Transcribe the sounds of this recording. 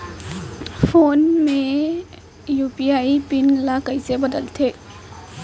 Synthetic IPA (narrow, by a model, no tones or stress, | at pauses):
pʰoːnmẽ | juːpiaːipɪnlakəisebəd̪əlt̪ʰe